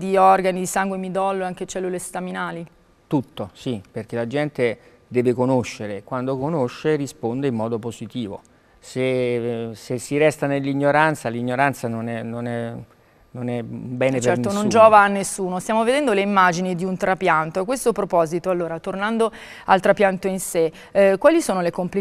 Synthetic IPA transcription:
d̪iɔrɡanid̪isaŋɡwemid̪ɔlːoeaŋk̟et͡ʃɛlːulest̪aminaːli | t̪ut̪ːosiperk̟elad͡ʒɛnt̪e | d̪ɛːvekonoʃːeɾekwand̪okonoʃːerispond̪eimːɔːd̪opozit̪iːvo̰ | se | sesːiɾɛst̪anelːiɲːoɾant̪saliɲːoɾant̪sanonɛnonɛ | nonɛmbɛːnept͡ʃeɛɾnt̪onond͡ʒɔːvaːnːesːuːnost̪jaːmoved̪ɛnd̪oleimːad͡ʒinid̪iunt̪ɾapjant̪oakːwest̪opɾopɔːzit̪oalːoːɾat̪ornand̪o | alt̪ɾapjant̪oinse | kːwaːlisoːnolekompli

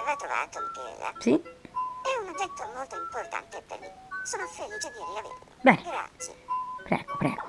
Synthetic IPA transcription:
vat̪ɾova̰ːt̪okːḛa̰si | ɛunad͡ʒɛt̪ːomolt̪oimport̪a̰nt̪epːḛɾlḭsoːnofeliːt͡ʃed̪iɾiavḛɾḭbɛnɡɾa̰t̪sḭpɾɛ̰ːɡ̥opɾɛ̰ːɡ̥o

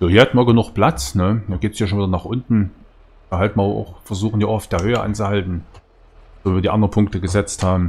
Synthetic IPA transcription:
joːhiːɐhatn̩viɐɡənʊχpl̥at͡snəjaːɡeːtsiːɐʃoːnviːdɐnaːχʔʊntn̩ | d̥ɐɦaltn̩iɐʔa̰ʊxfɛɐzuːxn̩diːaʊxaʊfd̥eːɐhøːəʔa̰nt͡suhaltn̩ | oːviɐdiʔandʁənpʰʊŋk̚təɡəzɛt͡sthaːbm̩

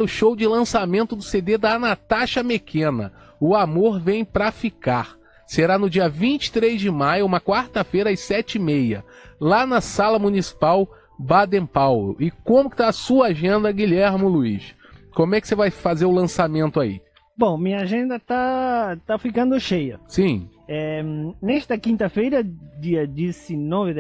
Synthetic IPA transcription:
ɾʊʃowd͡ʒɪlɐ̃samẽnt̪ʊd̪ʊsed̪ed̪anat̪aʃɐpekʰẽnɐ̰ | ʊamoɾvẽj̃pɾɐfikaɾ | seɾanʊd͡ʒiɐvĩnt͡ʃɪ̥t̪ɾezd͡ʒɪmajʊũmɐkwaɾt̪ɐfejɾɐɪsɛt͡ʃɪimejɐlanɐsalɐmũnisi̥paw | bad̪ẽpawlʊ̰ʔɪkõmʊkɪ̥t̪aːsuɐaʒẽnd̪ɐɡiʎɛɾmʊluḭʃ | kõmʊɛkɪ̥sevajfazeɾʊlɐ̃samẽnt̪ʊaḭ | bõw̃mĩɲɐaʒẽnd̪ɐt̪at̪afikɐ̃nd̪ʊʃejɐsĩɛnɛst̪ɐkĩnt̪ɐfejɾɐd͡ʒiɐd͡ʒisɪnɔvɪ

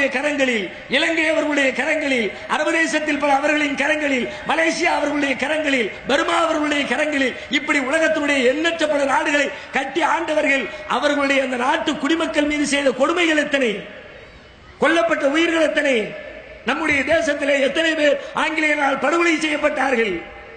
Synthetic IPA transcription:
jɐkɐɾɐŋɡɐɭɪl | ɪlɐŋɡɐɪɐʋɐɾɣɐɭɯɽɐjɐkɐɾɐŋɡɐɭɪl | ʔɐɾɐʋɐðeːsɐt̪ːɪlpɐlɐɐʋɐɾɣɐɭɪnkɐɾɐŋɡɐɭɪlmɐleːsɪjaːɐʋɐɾɣɐɭɯɽɐjɐkɐɾɐŋɡɐɭɪlbɐɾɯmaːɐʋɐɾɣɐɭɯɽɐjɐkɐɾɐŋɡɐɭɪl | ɪpːɐɽiʊlɐɣɐt̪ːɪnɯɽɐjɐɛnːɐʈrɐpːɐɽɐnaːɽɯɣɐɭɐɪkɐʈːiaːɳɖɐʋɐɾɣɐɭʔɐ̰ʋɐɾɣɐɭɯɽɐjɐnd̪ɐnaːʈːɯkːʊɽɪmɐkːɐɭmiːðɯsɛjðɐkɔɽɯmɐɪɣɐɭɛt̪ːɐnɐɪ | kɔɭːɐpːɐʈːɐʊjɪɾɣɐɭɛt̪ːɐnɐɪ | nɐmːɯɽɐjɐd̪eːsɐt̪ːɪleːɛt̪ːɐnɐɪpeːɾʔaːŋɡɪlɐjɐnaːɭpɐɽɯʋɐlɐsɛjːɐpːɐʈːaːɾɣɐɭ

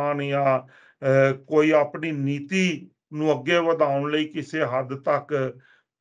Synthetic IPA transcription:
aːnjãː | koːiːaːpniːniːt̪iː | nũːəɡːeːʋəd̪aːʊɳləiːkɪseːɦəd̪t̪ək

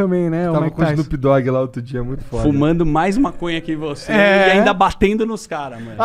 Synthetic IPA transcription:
ɐ̃mbẽj̃nɛavmɐ̃kõd͡ʒnʊpid̪ɔɡɪlaot̪ɾʊd͡ʒiɐɛmũj̃t̪ʊ̥fɔɾdfumɐ̃nd̪ʊmajzũmɐkõjɐkɪvoseaĩd̪ɐbat̪ẽnd̪ʊnʊskaɾɐmɐ̃

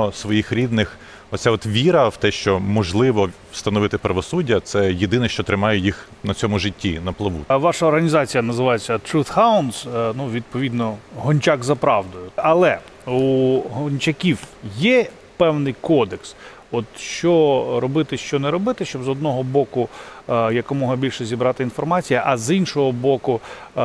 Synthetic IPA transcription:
ɔsʋɔjixɾʲid̪nɪx | ɔsʲaɔt̪ʋʲiɾɐwt̪ɛʃt͡ʃɔmɔʒlˠɪʋɔ | st̪ɐnɔʋɪt̪ɪpɾɐʋɔsudʲːɐt̪sɛjed̪ɪnɛʃt͡ʃɔt̪ɾɪmɑjɛjix | nɐt͡sʲɔmʊʒɪtʲːinɐplˠɪʋṵʋɑʃɐɔrɦɐnʲizɑt͡sʲijɐnɐzɪʋɑjet͡sʲːɐt̪ɾut̪haɑʊnsnuʋʲid̪̚pɔʋʲid̪nɔɦɔnʲt͡ʃɑɡzɐpɾɑwd̪ʊjʊɐlˠɛ | uɦɔnʲt͡ʃʲɐkʲiwjɛ | pɛwnɪjkɔd̪eks | ɔt̪ʃt͡ʃɔɾɔbɪt̪ɪʃt͡ʃɔnɛɾɔbɪt̪ɪʃt͡ʃɔbzɔd̪nɔɦɔbɔkʊjɐkɔmɔɦɐbʲilʲʃɛzʲibɾɑt̪ɪinfɔrmɑt͡sʲijɐʔɐzinʃɔɦɔbɔkʊ

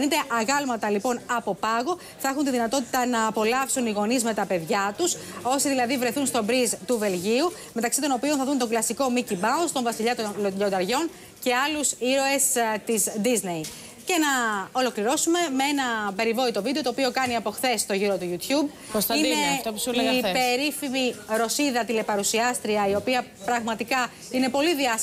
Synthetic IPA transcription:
nit̪e̞ʔɐɣɐlmɐt̪ɐlipo̞nɐpo̞pɐɣo̞ | θɐexunt̪iðinɐt̪o̞t̪i̥t̪ɐnɐːpo̞lɐfsuniɣo̞nizme̞t̪ɐpe̞ðʝɐt̪uso̞siðilɐðivɾe̞θunst̪o̞bɾizt̪uve̞lʝiu | me̞t̪ɐksit̪o̞no̞pio̞nθɐðunt̪o̞ŋɡlɐsiko̞micibɐunst̪o̞ɱvɐsiʎɐt̪onloʎo̞nd̪ɐɾʝo̞n | ce̞ɐlusiɾo̞e̞st̪izd̪izne̞i | ce̞nɐo̞lo̞kliɾo̞sume̞me̞e̞nɐpe̞ɾivo̞it̪o̞vid̪et̪oːpio̞kɐniɐpo̞xθe̞st̪o̞ʝiɾo̞t̪uʝut̪çub̚ | osɐinet̪opsipeɾifimiɾo̞siðɐt̪ile̞pɐɾusiɐst̪ɾiɐio̞piɐ | pɾɐɣmɐt̪ikɐ | ine̞po̞liðiɐs

